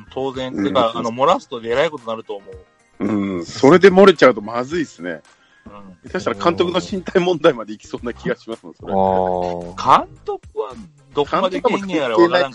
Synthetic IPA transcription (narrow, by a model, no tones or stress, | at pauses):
t̪ʰo̞ːzẽnkaanomo̞ɾasɨ̥t̪od̪eeɾaiko̞t̪o̞naɾɯ̟t̪o̞ːmo̞ɯ | ɯ̟̃ɴso̞ɾe̞d̪e̞mo̞ɾet͡ɕaɯ̟t̪o̞mazɨisɨne̞̰ | ɯ̃ɴmekaɕi̥t̪aɾakãnt̪o̞kɯ̟no̞ɕĩnt̪aimõ̞nd̪aimad̪e̞ikʲi̥so̞ːnakʲiɡaɕimasɨmesoɾe | kʰãnt̪o̞kɯ̟βa | d̪okãnːaoknẽaɾeeanaaiãŋ